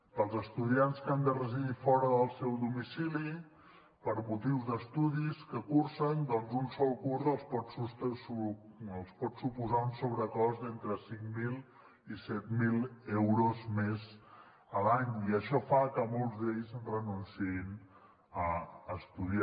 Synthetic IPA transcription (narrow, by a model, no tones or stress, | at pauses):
pəlˠzəst̪uðianskand̪ərəziðifɔɾəðəlˠsɛwðumisili | pəɾmut̪iwzðəst̪uðiskəkuɾsənd̪ɔnzunsɔlˠkuɾzəlˠspɔt̪sust̪suəlˠspɔt̪supuzaunsoβɾəkɔzent̪ɾəsiŋmilˠ | isɛt̪milˠewɾozmez | əlaɲiəʃɔfakəmɔlˠzd̪eʎzrənunsiin | əːst̪uðia